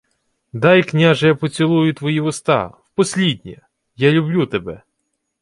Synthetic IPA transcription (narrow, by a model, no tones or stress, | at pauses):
d̪ɑjknʲaʒɛjapɔt͡sʲilˠujʊt̪ʋɔjiʋʊst̪ɑ̰wpɔsʲlʲid̪̚ʲnʲɛ | jalʲʊblʲut̪ebɛ